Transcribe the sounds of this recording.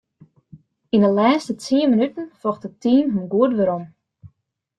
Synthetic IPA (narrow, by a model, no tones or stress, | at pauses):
indəlaːstətiːəmənytən̩fɔxtətiːnɦymɡuətʋəɾom